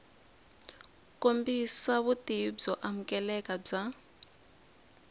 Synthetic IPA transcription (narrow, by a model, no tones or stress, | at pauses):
kombisaβutib͡ʐɔʔamukɛlɛkab͡ʐa